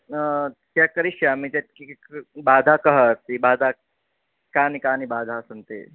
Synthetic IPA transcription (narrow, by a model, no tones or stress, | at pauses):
k̪jakəɾiɕjamit̪et̪̚kikbaːd̪ʱakəɦəːst̪ibaːd̪ʱa | kanikanibaːd̪ʱasənt̪ḛ